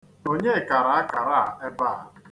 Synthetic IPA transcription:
o˦ɲe˦˨ka˨ɾa˨a˦ka˨ɾa˦˨e˦ba˦˨

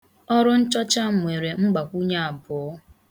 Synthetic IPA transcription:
ɔ˦ɾʊ˦n̩˦t͡ʃɔ˦t͡ʃa˦ŋʷ˨e˨ɾe˨ŋ͡m̩˦ɡ͡ba˨kʷu˦ɲe˦a˨bʊ˨ɔ˦

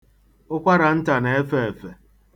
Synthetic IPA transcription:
ʊ˦kʷa˦ɾa˨n̩˦ta˨ne˨e˦fe˦˨e˨fe˨

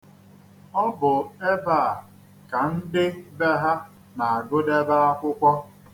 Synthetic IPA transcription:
ɔ˦bʊ˨e˦ba˦˨ | ka˨n̩˦dɪ˦be˦ɦa˦ | na˨a˨ɡʊ˦de˦ba˦a˦kʷʊ˦kʷɔ˦

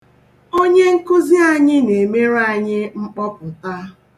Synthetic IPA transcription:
o˦ɲe˦ŋ̩˦kʊ˦zi˦a˦ɲɪ˦ne˨me˦ɾa˦˨ɲɪ˦ŋ͡m̩˦k͡pɔ˦kʊ˨ta˦

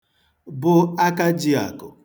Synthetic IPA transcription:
bʊ˦a˦ka˦d͡ʒi˦a̰˨kʊ˨

